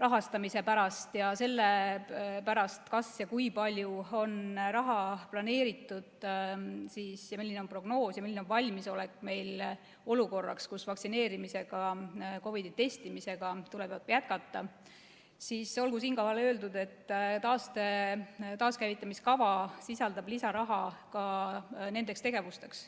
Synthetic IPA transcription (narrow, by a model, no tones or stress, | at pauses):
rɑɦɑst̪ɑmise̞pæɾɑst̪jɑse̞lːe | pæɾɑst̪kɑsjɑkujpɑlʲjuo̞nrɑɦɑplɑne̞ːɾit̪ːˑud̪̥ | siːsjɑmilːineo̞npro̞ɡ̥no̞ːsjɑmilːineonvɑlʲmiso̞lekːˑme̞jl | o̞luko̞rːɑ̰kskusvɑksine̞ːɾimise̞ɡ̥ɑko̞vid̪̥it̪e̞st̪imise̞ɡ̥ɑt̪ulebɑd̪jæt̪̚kɑt̪ːˑɑ | siːso̞lɡusiːnkohɑlø̞ːld̪ud̪̥e̞t̪ːt̪ɑːst̪e̞t̪ɑːskæjvit̪ːˑɑmiskɑvɑsisɑld̪ɑblisɑɾɑɦɑkɑne̞nd̪ekst̪e̞ɡ̥e̞vust̪e̞ks